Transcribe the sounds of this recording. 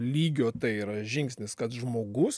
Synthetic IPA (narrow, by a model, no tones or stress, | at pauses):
lʲiːɡʲoːt̪ɐɪiːɾɐʒʲɪŋksʲnʲɪskɐt̪ʒmoːɡʊs